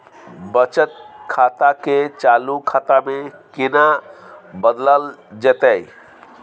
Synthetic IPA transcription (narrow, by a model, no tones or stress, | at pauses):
bət͡ʃət̪̚kʰaːt̪aket͡ʃaːlukʰaːt̪amẽkɪna | bəd̪ləld͡ʒət̪ei